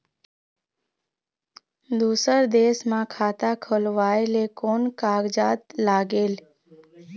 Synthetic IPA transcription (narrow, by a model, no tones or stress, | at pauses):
d̪usəɾd̪eːsmãkʰaːt̪akʰolʋaelekonkaːɡd͡ʒaːt̪laːɡeːl